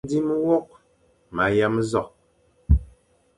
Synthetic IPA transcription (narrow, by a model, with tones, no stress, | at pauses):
di˦m˦wɔ˦ʔ̚ | ma˨ja˦mzɔ˦˨k̚